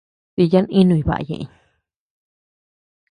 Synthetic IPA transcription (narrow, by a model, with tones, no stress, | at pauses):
ti˧ja˦nĩ˦nũ˧i˧˨βa̰˨ʔa̰˧˨jḛ̃˨ʔɲ